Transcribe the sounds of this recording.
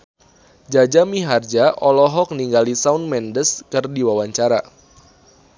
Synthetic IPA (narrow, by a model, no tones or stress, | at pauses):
d͡ʒad͡ʒamiɦard͡ʒaʔɔlɔɦɔk̚niŋɡalisaunmɛndəskərdiwawaɲt͡ʃaɾa